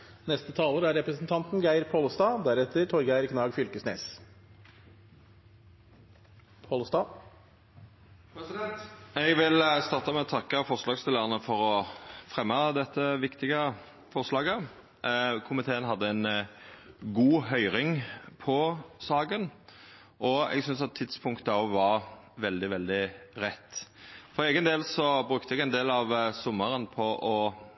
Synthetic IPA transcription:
nɛst̪ət̪ʰɑːləɾəæɾɾɛpɾəsnt̪ʰɑnt̪nɡæɪɾpʰolst̪ɑːd̪æɾɛt̪ːəɾʈʰɔɾɡæɪɾkʰnɑːɡfʏlkəsnḛːs | pʰoːlst̪ɑː | st̪ɛɡʋɪlst̪ɑʁt̪ɑmɛɔt̪ʰɑkːəfɔʁslɑːɡst̪ɪləʁənəfɔʁɔfʁɛmːɑd̪ɛt̪ːəʋɪkt̪ɪɡə | fɔʁslɑːɡə | kʰʊmɪt̪ʰeːənɦɑd̪ːəɛn | ɡuːɦœʏɾɪŋpʰɔsɑːɡən | ʔɔɛ̰ɡsʏnsɑt̪ʰːɪt̪spʰʊŋkt̪əɑʋɑʁ | ʋɛld̪ɪʋɛld̪ɪʁɛt̪ːfɔɾʁeːɡənd̪eːlsɔbɾʉkt̪əɛɡɛnd̪eːlɑʋsɔmːəʁənpʰɔʔɔ

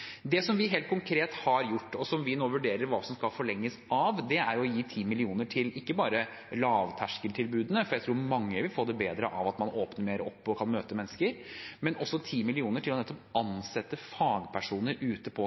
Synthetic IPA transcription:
d̪ɛsɔmʋɪɦeːlt̪kʊŋkʰɾeːt̪hɑɾjʊʈːɔsɔmʋɪnoːʋʉɖeːɾəɾʋɑːsɔmskɑlfɔɭɛŋːəsɑʋd̪ɛæɾɔjiːt̪ʰiːmɪlɪuːnəʈʰɪlɪkːəbɑːɾə | lɑːʋt̪ʰæʂkəlt̪ʰɪlbʉːd̪ənəfɔɾjæɪt̪ʰɾuːɾmɑŋːəʋɪlfoːd̪ɛbeːd̪ɾə̰ʔɑʋɑt̪mɑnoːpnəmeːɾɔpːɔkʰɑnmøːt̪əmɛnːəskəɾmɛnʔɔsːɔt̪ʰiːmɪlɪuːnəʈʰɪlɔnɛt̪ːɔpɑnsɛt̪ːəfɑːɡpʰæʂuːnəɾʉːt̪əpʰɔ

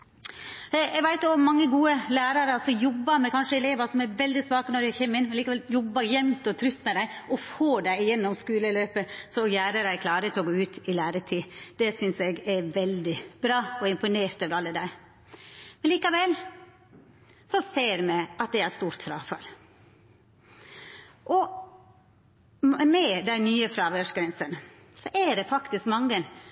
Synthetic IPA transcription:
ɛɡʋæɪt̪jʊɔmːɑŋːəɡuːəlæːɾɑɾəsɔjɔbːəɾmɛkʰɑnʂəɛleːʋɑsɔmɛɾʋɛld̪ɪsʋɑːkənɔɖæçɛmːənmɛnliːkɑʋɛljɔbːɑɾjɛmt̪ɔt̪ʰɾʏt̪ːmɛd̪æɪʔɔfoːd̪æɪjɛnːɔmskʉːləløːpəsɔjæːɾəd̪æɪkʰlɑːɾət̪ʰɛɔɡoːʉːt̪ʰɪlæːɾət̪ʰiːd̪̥ɛsʏnsɛɡɛʋɛld̪ɪbɾɑːɔɪmpʊneːɾt̪øːʋəɾɑlːəd̪æɪ | mɛnliːkɑʋɛl | sɔseːɾmɛʔɑt̪̚d̪æɪæst̪uːɾt̪fɾɑːfɑ̰l | ʔɔ | mɛd̪æɪnyːəfɾɑːʋøʂɡɾɛnsən | sɔʔæɖɛfɑkt̪ɪskmɑŋːən

